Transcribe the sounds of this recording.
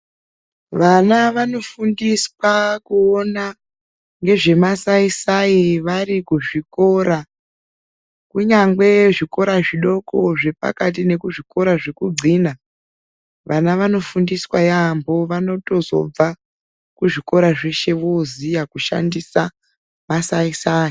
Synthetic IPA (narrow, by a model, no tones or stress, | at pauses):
ʋanaʋano̞fundiswakuona | ŋɡe̞ʐe̞masaisaiʋaɾikuʐiko̞ɾa | kuɲaŋɡe̞ʐiko̞ɾaʐiɗo̞ko̞ʐe̞pa̰kat̬ine̞kuʐiko̞ɾaʐe̞kud͡zʱina | ʋanaʋano̞fundiswajambo̞ʋano̞to̞zo̞̰b͡va | kuʐiko̞ɾaʐe̞ʃe̞ʋozijakuʃa̰ndisa | masaisaːi